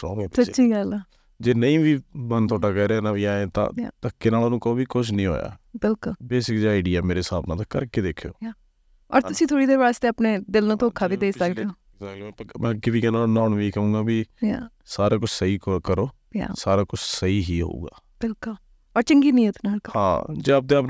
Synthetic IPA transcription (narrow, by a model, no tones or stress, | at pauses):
sɔːʋɛːpsət͡ʃiːɡəlː | d͡ʒeːnəĩːʋiːmənt̪ʰoaːɖaːkɛːɾɛːnãːʋiːaːẽːt̪ã̰ːa̰t̪əkːeːnaːloːnũːkooːbiːkʊt͡ʃʰnəĩːɦo̰ːja̰ːbɪlkʊlbeːsɪkd͡ʒiːaːɪɖijaːmeːɾeːsaːbnãːt̪aːkəɾkeːd̪eːkʰːjo̰ːa | ɔ̰ːɾt̪ʊsĩːt̪ʰoːɽiːd̪eːʋaːst̪eːapneːd̪ɪlnũːt̪oːkʰːaːbiːd̪eːsəkd̪eoː | zakːmɛ̃ːkɪʋiːkenaːlnaːɳʋiːkəũːɡaːbiːja̰ː | saːɾaːkʊt͡ʃʰsəiːkəɾoː | ja̰saːɾaːkʊt͡ʃʰsəiːɦiːɦo̰uːɡa̰ː | b̥ɪlkʊl | ɔːɾt͡ʃəŋɡiːnĩːət̪naːhã̰ːd͡ʒeːap̚d̪eːəp